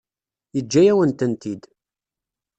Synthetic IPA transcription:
jəd͡ʒːæjæwənt̪ənt̪id̪

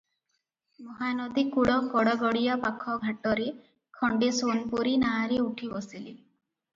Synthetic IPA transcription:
mɔɦanɔd̪ikuɽɔkɔɽɔɡɔɽijapakʰɔɡʱaʈɔɾe | kʰɔɳɖesonpuɾinaɾeuʈʰibɔsili

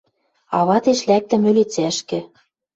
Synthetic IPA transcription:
ɑβɑt̪eʃlæk̚t̪ɘ̆mø̆let͡sæʃkɘ̆

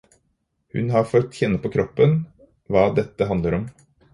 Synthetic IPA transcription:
hʉ̰nɦɑɾfœt̪ːçɛnːəpʰɔːkʰɾɔpːən | ʋɑːd̪ɛt̪ːəɦɑnd̪ləɾɔm

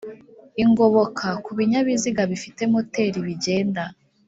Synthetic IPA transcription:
iŋɡo̞βokʰakuβiɲaβiziɡaβifite̞mo̞te̞ɾiβiɟe̞ːnda

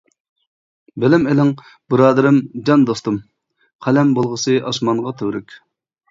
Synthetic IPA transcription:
belɪmelɪŋ | bɨɾɑːd̪ɨɾɨmd͡ʒɑnd̪ost̪um | qʰælɛmbolˠʁəsɨʔɑsmɑnʁɑt̪ʰøwɾykʲ

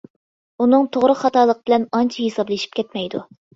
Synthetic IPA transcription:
unɨŋt̪ʰoʁɾʊχɑt̪ɑːlˠəqəbɪlɛnɑnt͡ʃʰɛɦesɑblˠɨʃi̥pkʲʰɛt̪mɛjd̪u

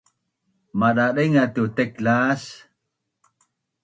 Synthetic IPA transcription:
maɗaɗeŋat̪ut̪eklas

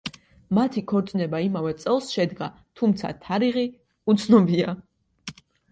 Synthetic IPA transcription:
mat̪ʰikʰɔɾt̪sʼnɛbaimavɛt̪sʼɛlˠsʃɛd̪ɡa | t̪ʰumt̪sʰa̰t̪ʰaɾiʁi | ut̪sʰnɔbia

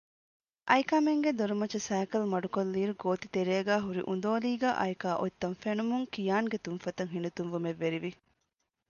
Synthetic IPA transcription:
ʔɐjkɐmeŋɡed̪oɾumɐt͡ʃɐsæːkɐlmɐɖukolːiːɾuɡoːt̪i̥t̪eɾeːɡæːɦuɾḭʔund̪oːliːɡæ̰ːʔɐ̰jkaːʔot̪ːɐnfenumuŋkijaːŋɡet̪unfɐt̪ɐŋɦinut̪unʋumeʋːeɾiʋi

